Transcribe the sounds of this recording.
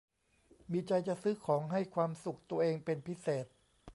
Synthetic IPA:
miː˧t͡ɕa˧jt͡ɕa˨˩ʔsɯː˦˥kʰɔː˩˦ŋɦa˥˩jkʰwaː˧msu˨˩k̚t̪u˧ɐʔeː˧ŋpe˧npʰi˦˥seː˨˩t̪̚

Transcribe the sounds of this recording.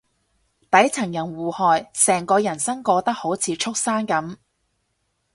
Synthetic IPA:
t̪ɐ˨˥jt͡sʰɐ˨˩ŋjɐ˨˩nwuː˨˩hɔː˨jsɛː˨˩ŋkɔː˧jɐ˨˩nsɐ˥ŋkɔː˧t̪ɐ˥k̚ho˨˥wt͡sʰiː˨˧t͡ʃʰʊ˥k̚saː˥nkɐ˨˥m

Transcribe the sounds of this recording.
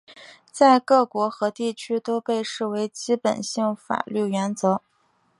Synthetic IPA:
t͡sa˥˧ɪkɤ˥˩kwɔ˧˥xɤ˧˥t̪i˥˩t͡ɕʰy˥t̪o˥ʊpe˥˧ɪʂɻ̩˥˩we˧˥ɪt͡ɕi˥pə̰˨˩nɕi˥˩ŋfa̰˨˩ly˥˩ɥɛ˧˥nt͡sɤ˧˥

